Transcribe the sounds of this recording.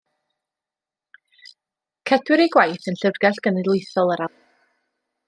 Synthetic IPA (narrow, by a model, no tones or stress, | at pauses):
kʰɛdwɪɾiɡwajθənɬərɡɛɬɡ̥ənɨlˠɨjθɔlˠəɾa